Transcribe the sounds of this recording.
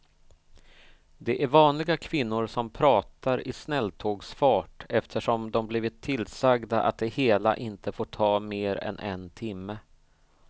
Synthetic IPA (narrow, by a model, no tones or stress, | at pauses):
d̪ɛʔæɾvɑːnlɪɡakʰvɪnːʊɾʂɔmpʰɾɑːt̪aɾɪsnɛlːt̪ʰoːɡsfɑːʈɛft̪ʰəʂɔmd̪ɔmbliːvɪt̪ʰːɪlsaɡd̪aʔa̰t̪̚d̪ɛheːla̰ʔɪnt̪əfoːʈʰɑːmeːɾɛ̰nʔɛ̰nt̪ʰɪmːə